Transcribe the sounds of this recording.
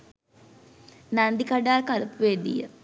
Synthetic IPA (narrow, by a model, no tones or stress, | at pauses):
nand̪ikaɖaːlkalpuʋed̪ḭjə̰